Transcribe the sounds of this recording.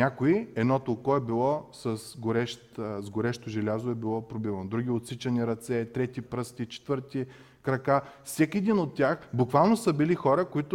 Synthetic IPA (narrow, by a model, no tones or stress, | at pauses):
nʲakʊiɛd̪nɔt̪olˠkɔɛbilˠɔsɐsɡoɾɛʃt̪zɡoɾɛʃt̪ʊʒɛlʲazʊɛbilˠɔpɾobivɐnod̪ɾuɡ̟ʲiot̪sit͡ʃɐniɾɐt̪sɛt̪ɾɛt̪ipɾɤst̪ʲit͡ʃɛ̥t̪vɤɾt̪i | kɾɐkafsʲɛkɛd̪inot̪ːʲaxbʊkvalˠnosɐbilixɔɾəkoit̪ʊ